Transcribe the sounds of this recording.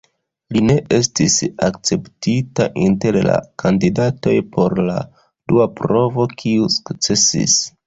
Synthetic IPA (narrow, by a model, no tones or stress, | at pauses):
line̞ʔe̞stisa̰k̚t͡se̞ptita̰ʔinte̞ɾla̰kʰandidato̞jpʰo̞ɾla̰ | duapɾo̞vo̞kʰiusu̥kt͡se̞sḭs